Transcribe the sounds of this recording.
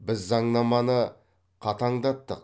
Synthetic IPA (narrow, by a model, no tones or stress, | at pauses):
bɪzːɑɴnɑmɑnə | qʰɑt̪ɑɴd̪ɑt̪ːəq̚